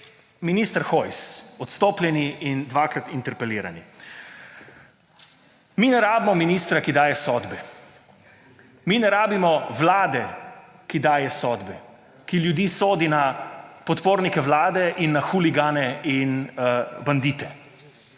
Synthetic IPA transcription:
minist̪əɾxɔjsɔt̪st̪oːpljɛniʔind̪ʋakɾat̪int̪ɛɾpɛliːɾa̰ni | minɛɾaːbimɔminiːst̪ɾakid̪aːjɛsɔːd̪bɛ | minɛɾaːbimɔʋlaːd̪ɛ | kid̪aːjɛsɔːd̪bɛ | kiljud̪iːsoːd̪inapɔt̪poːɾnikɛʋlaːd̪ɛʔinːaxuliɡaːnɛinband̪it̪ɛ

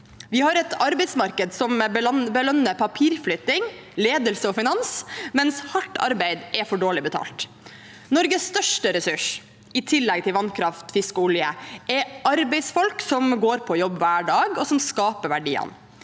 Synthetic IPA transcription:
ʋɪhɑɾɛt̪ʰɑɾbɛɪsmɑɾkəd̪sɔmbəlœnːəpʰɑpʰiːɾflʏt̪ɪŋleːd̪əlsəɔfɪnɑnsmɛnshɑʈːɑ̰ɾbæɪd̪ʔɛfɔɖoːɭɪbət̪ʰɑ̰ːlt̪ | nɔɾɡəsst̪œʂʈəɾɛsʉʂ | ɪt̪ʰɪlːɛɡ̚t̪ʰɪlʋɑnkʰɾɑft̪fɪskʊljə̰ʔɛɑɾbɛɪsfɔlksɔmɡoːɾpʰɔjɔbːʋæːɖɑːɡɔsɔmskɑːpəʋæɖiːə̰n

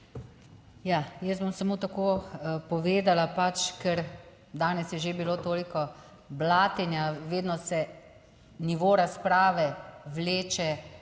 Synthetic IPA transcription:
jaːjɛst̪bomsamot̪akoːpɔʋeːd̪alapat͡ʃkɛɾ | d̪aːnɛsjɛʒebiloːt̪oːlikɔ | blaːt̪ɛnjaʋeːd̪nɔsɛ | niʋoːɾaspɾaːʋɛʋleːt͡ʃɛ

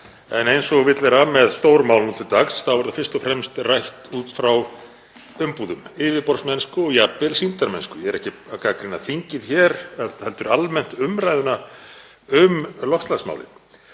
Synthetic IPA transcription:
ɛ̰nejnsɔɣvɪt̪lɛɾamɛðst̪owɾmaːwlnut̪ʰɪt̪axsθawvɛɾðafɪr̥st̪ɔfɾɛmst̪rajht̪uːt̪fɾaw | ʏmpuːðʏmɪːvɪpɔɾsmɛnskʏɔɣjapːɪlsint̪aɾmɛnskʏjɛɛɾɛhcɪakakɾɪnaθiɲcɪðçɛɾɛhɛlt̪ʏɾalmɛn̥t̪ʏmɾajðʏna | ʏmlɔhst̪lansma̰wlɪ̰n

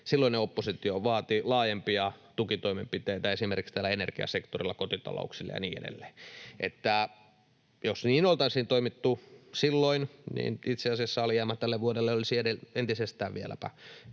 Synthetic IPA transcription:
silːoineopːosit̪ioʋɑːt̪ilɑːjempiɑt̪ukit̪oimempit̪eit̪æesimerkikst̪æːlːæenerkiɑ̰sekt̪orilːɑkot̪it̪ɑ̰lo̰uksilːɑ̰jɑ̰nḭːḛdḛlːeːʔet̪ːæ | josniːnolt̪ɑisiːnt̪oimit̪ːusilːoinnḭːnit̪seɑsiɑsːɑolijæːmːæt̪t̪ælːeʋʋuodelːeolisiedeent̪isest̪æːʋʋielæ̰pæ̰

